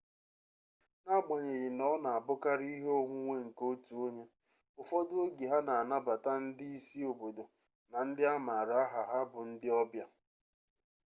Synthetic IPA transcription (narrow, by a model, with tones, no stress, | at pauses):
na˦ɡ͡ba˨ɲe˨ɣɪ˨nɔ˦na˨a˨bʊ˦ka˦ɾi˦ɦo˦ŋʷu˦ŋʷe˦ŋ̩˨ko˦tu˨o˦ɲe˦ | ʊ˨fɔ˦dʊ˦o˦ɡi˨ɦa˦na˨a˨na˦ba˨ta˦n̩˦dɪ˦i˦si˦o˨bo˨do˨ | na˨n̩˦dɪ˦a˦ma˨ɾa˨a˦ɦa˨ɦa˦bʊ˨n̩˦dɪ˦ɔ˦bja˦